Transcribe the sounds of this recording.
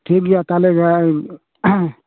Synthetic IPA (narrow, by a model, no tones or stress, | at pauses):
ʈʰikd͡ʒat̪aleɡa